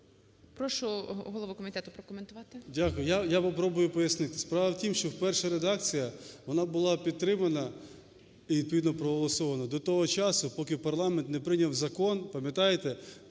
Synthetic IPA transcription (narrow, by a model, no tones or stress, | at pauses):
pɾɔʃʊɦɔlˠɔʋukɔmʲɪt̪ɛt̪ʊpɾɔkɔment̪ʊʋɑt̪ɪdʲakʊjʊjajapɔpɾɔbʊjʊpɔjɐsnɪt̪ɪspɾɑʋɐwtʲimʃt͡ʃɔwpɛrʃɐɾed̪ɑk̚t͡sʲijɐʋɔnɑbʊlˠɑpʲidt̪̚t̪ːɾɪmɐnɐ | iʋʲid̪pɔʋid̪nɔpɾɔɦɔlˠɔsɔʋɐnɐd̪ɔt̪ɔɦɔt͡ʃɑsʊpɔkʲɪpɐrlˠɑment̪nɛpɾɪnʲɐwzɐkɔnpɐmʲjɐt̪ɑjet̪ɛ